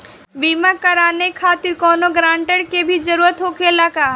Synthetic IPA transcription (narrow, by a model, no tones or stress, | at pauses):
biːmakɐɾaːnekʰaːt̪ɪɾkɔːnoɡɾãːɳʈəɽkebʱid͡ʒɐɾuːɾət̪ɦoːkelakaː